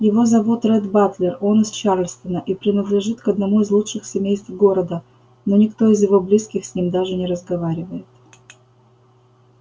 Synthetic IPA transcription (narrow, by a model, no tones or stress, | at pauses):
jɪvo̞zɐvo̞t̪rɛd̪bat̪lʲɪro̞nɨst͡ɕarlʲst̪ənəʔipɾʲɪnəd̪lʲɪʐɨt̪kɐd̪nɐmuɪzlˠuʂɨxsʲɪmʲejst̪vɡo̞ɾəd̪ə | no̞nʲɪkt̪o̞ɪzjɪvo̞blʲiskʲɪxsʲnʲimd̪aʐɨnʲɪɾəzɡɐvaɾʲɪvəjɪt̪